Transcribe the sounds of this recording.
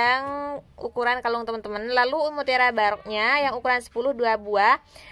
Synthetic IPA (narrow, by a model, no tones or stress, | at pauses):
aŋukuɾankalʊŋt̪əmənt̪əmənlaluːmut̪eɾabaɾɔk̚ɲajaŋukuɾansə̥pulʊhduabua